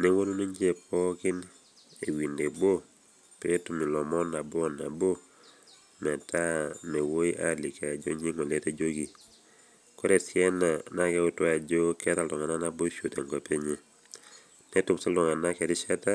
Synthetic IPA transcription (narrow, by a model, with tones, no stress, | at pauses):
ne˦wo˦lu˦no˦ɲd͡ʒe˦pʰɔ˦kɪ˦n | e˨wi˨nde˨bo˦ | pe˦e˦tu˨mi˨lɔ˨mɔ˦na˨bna˨bo˦ | mɛ˨ta˦ne˨wo˦i˦ʔa̰˦li˨ka˨d͡ʒo̰˦ɲe˦ŋɔ˨le˦te˦d͡ʒo˦ɡi˨ | kɔ˦ɾɛ˨sjɛ˦na˨na˦kɛ˦ʊ˦twa˦˨d͡ʒo˦kɛ˦ta˦lɔ˨ŋa˨na˦na˦bo˦ʃo˨te˨ŋɡo˨pe˦ɲe˦˨ | nɛ˦tu˨msa˦lɔ˨ŋa˨na˦kɛ˨ɾɪ˦ʃɛ˦ta˦